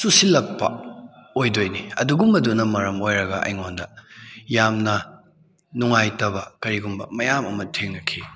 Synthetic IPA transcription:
susilɐk̚pɐ̰ojdojniɐ̰duɡumɐdunɐmɐɾɐmojɾɐɡɐʔɐ̰jŋondɐjamnɐ | nuŋajtɐbɐkɐɾiɡumbɐ̰mɐjamɐ̰mɐtʰeŋnɐkʰi

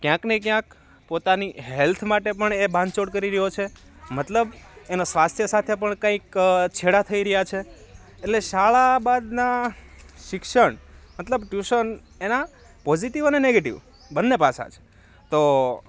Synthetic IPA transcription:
kjãknekjãk̚ | pot̪aniɦɛlt̪ʰmaʈepəɳebʱãnt͡ʃoɽkəɾiɾəɦjot͡ʃʰe | mət̪ləbenosʋast̪ʰjəsat̪ʰep̬əɳkãikt͡ʃʰeɽat̪ʰəiɾəjat͡ʃʰeː | ʈleʃaɭabad̪na | ʃɪkʃəɳmət̪ləbʈjuʃən | ena | pɔziʈiʋəneneɡeʈḭʋ | bənːepasa̰t͡ʃʰe̥ | t̪o

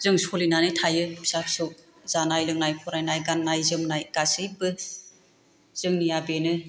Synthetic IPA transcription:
zɯŋsolinanɯtʰajɯbi̥sapʰsɯk̚ | z̥anajlɯŋnajpʰɔɾajnajɡanːajzɯmnajɡ̥asɯjbɯ | z̥ɯŋnijabenɯ

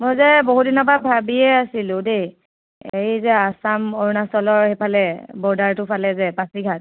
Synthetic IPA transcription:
mojzɛboɦudinɔbabʱabiɛasilʊ̃dej | ejzɛasamɔɹnasɔlɔɹhepʰalɛbɔɹdaɹtʊpʰalɛzɛpasiɡʱat̚

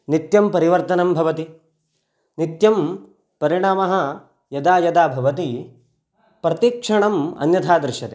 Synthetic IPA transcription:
nit̪jɐmpɐɾiʋɐɾt̪ɐnɐmbʱɐʋɐt̪i | nit̪jɐm | pɐɾiɳaːmɐɦɐ̆ | jɐd̪aːjɐd̪aːbʱɐʋɐt̪i | pɾɐt̪iːkʂɐɳɐmɐ̰njɐt̪ʰaːd̪ɾʃɐt̪e

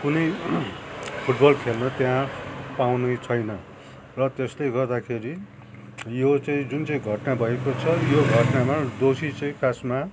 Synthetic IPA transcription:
kunʌj | pʰuʈbʌlkʰelnʌt̪jãpawnut͡sʰʌjnʌ | rʌt̪esleɡʌrd̪akʰeɾi | jot͡sʌĩd͡zunt͡sʌĩɡʱʌʈnabʱʌekot͡sʰʌjoɡʱʌʈnamad̪osit͡sʌ̃ĩkʰasma

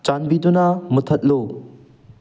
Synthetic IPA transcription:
t͡ʃanbidunamut̪ʰɐt̚lo

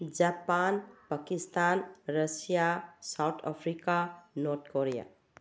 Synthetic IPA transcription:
d͡ʒapanpakist̪anɾʌsijasawt̪ʰa̰pʰɾikanɔɾt̪ʰkoɾija̰

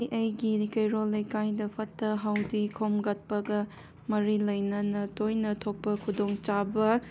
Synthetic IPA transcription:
jʔɐjɡikɐjɾolːɐjkajdɐpʰɐtːɐɦawdikʰomɡɐt̚pɐɡɐ | mɐɾilɐjnɐnɐtojnɐtʰok̚pɐkʰudoŋt͡ʃabɐ

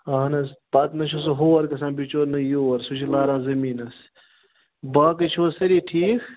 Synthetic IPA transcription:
ɐːɦɐnɐspaːt̪nɐt͡ʃʰos̬oɦoːɐɾkɐsãːbit͡ʃoːɾnɐjoːɐɾsut͡ʃʰilaːɾãːzɐmiːnɐs | baːkɐt͡ʃʰoːsɐɾiːʈʰiːkʰ

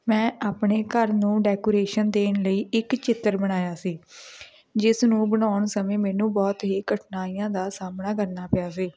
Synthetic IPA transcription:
mɛ̃ːʔaːpɳeːkəɾnũːɖɛːkoːɾeːʃənd̪eːnləiːɪkt͡ʃɪt̪ːəɾbəɽ̃aːjaːsiː | d͡ʒɪsnũːbənaːʊɳsəmẽːmɛ̃ːnũːbɔːt̪ɦiːkəʈʰnaːiːãːd̪aːsaːmnaːkəɾnaːpɪjaːsiː

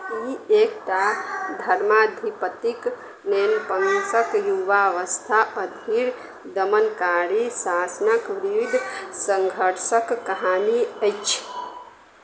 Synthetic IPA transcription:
iekʈad̪ʱəɾmad̪ʱipət̪ik | nenpənsəkjuʋaʋəst̪ʰaʔəd̪ʱiɾ | d̪əmənkaɾisasnəkʋɾiʋid̪ʱsəŋɡʱəɾsəkːəɦaniəjt͡ʃʰ

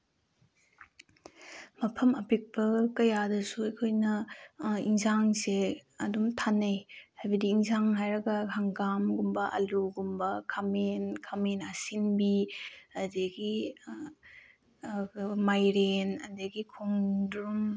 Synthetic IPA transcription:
mɐpʰɐmɐpik̚bɐkɐjadɐsuɐjkʰojnɐ | iŋzaŋseɐdumtʰanːejhajbɐdiːŋzaŋɦajɾɐɡɐhʰaŋɡamɡumbɐʔɐ̰luɡumbɐkʰamenkʰamenɐsinbiɐdeɡi | majɾenɐ̰deɡikʰoŋdɾum

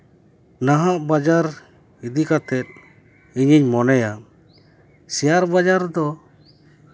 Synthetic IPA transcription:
naɦaʔbad͡ʒaɾ | id̪ikat̪ɛt̪̚ | iɲiɲmɔnɛja | sɛjaɾbad͡ʒaɾd̪ɔ

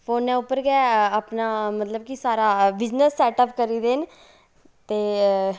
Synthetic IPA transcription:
fʰoːnːɛ̃ːʊpːəɾɡɛːəpnaːmət̪ləb̚kisaːɾaːbɪznəsːɛːʈəpkəɾiːd̪eːn | t̪eː

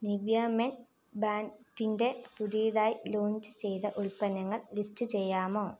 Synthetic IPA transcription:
niʋjɐmen | baːɳʈːinde̞puðijɐðaːjiloːɲd͡ʑɨt͡ɕe̞jt̪ɐʔuɭpɐnɐŋːɐɭlistɨt͡ɕe̞jːaːmoː

